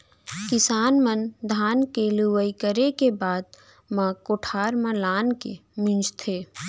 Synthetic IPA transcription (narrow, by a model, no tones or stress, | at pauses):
kɪsaːnmənd̪ʱaːnkeluʋəikəɾekebaːd̪̚ | mãkoːʈʰaːɾmãlaːnkḛmɪ̃nd͡ʒt̪ʰeː